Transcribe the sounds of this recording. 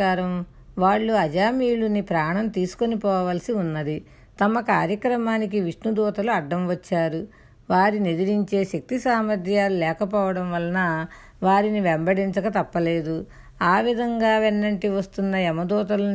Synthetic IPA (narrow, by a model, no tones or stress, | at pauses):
aːɾɐm | ʋaːɭːuɐd͡ʒaːmiːlunipɾaːɳɐnt̪iːsu̥konipɔːʋaːlɐsiunːɐd̪i | t̪ɐmɐkaːɾjɐkɾɐmaːnikiʋiʂnud̪ɔːt̪ɐluɐɖːɐmʋɐt͡ʃːaːɾu | ʋaːɾinid̪iɾiɲt͡ʃe̞ːʃɐk̚t̪isaːmɐd̪ʱjaːlulɛːkɐpɔːʋɐɽɐmʋɐlɐnɐ | ʋaːɾiniʋeɛmbɐɽiɲt͡ʃɐkɐt̪ɐpːɐle̞ːd̪u | aːʋid̪ʱɐŋɡaːʋenːɐɳʈiʋɐst̪unːɐɛmɐd̪ɔːt̪ɐlu